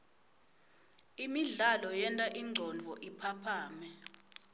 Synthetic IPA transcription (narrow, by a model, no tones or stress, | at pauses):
imiɮalɔjɛntʼaʔiŋ͡ǀʱɔnd͡vʱɔʔipʰapʰaːmɛ